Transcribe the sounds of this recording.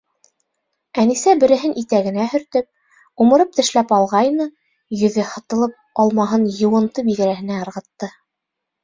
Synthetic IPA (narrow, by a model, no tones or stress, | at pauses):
ænisæbɘ̆ɾɘ̆ɦɘnʔit̪æɡɘ̆næhɵ̆ɾt̪ɵp̚ | umɤ̆ɾɤp̚t̪ɘ̆ʃlæpɑlˠʁɑjnɤ | jɵ̆ðɘhɤ̆t̪ɤ̆lˠɤp̚ɑlˠmɑɦɤnjɤ̆wɤ̆nt̪ɤbiɡɘ̆ɾæhɘ̆næɤ̆ɾʁɤ̆t̪ːɤ